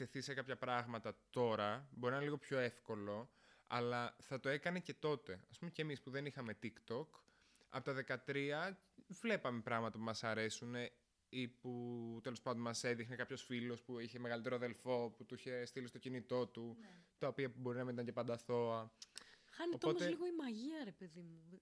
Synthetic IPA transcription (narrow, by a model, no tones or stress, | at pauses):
eθisekɐpçɐpɾɐɣmɐt̪ɐt̪o̞ɾɐbo̞ɾinnliɣo̞pço̞e̞fko̞lo̞ | ɐ̰lɐθɐt̪o̞e̞kɐne̞ce̞t̪o̞t̪e̞ɐspumecemispuðe̞nixɐme̞t̪ikt̪o̞k | ɐ̰po̞t̪ɐðe̞kɐt̪ɾiɐ | vlepɐme̞pɾɐɣmɐt̪ɐpumɐsɐɾe̞sune | iput̪elo̞spɐnd̪omɐse̞ðixnekɐpço̞sfilo̞spuiçe̞me̞ɣɐlit̪eɾoɐðe̞lfo̞put̪uiçe̞st̪ilist̪o̞cinit̪o̞t̪ut̪ɐopiɐbo̞ɾinɐmet̪ɐɲce̞pɐnd̪ɐθo̞ɐ | xɐneoootmoezliɣoimɐʝiɐɾepe̞ðimu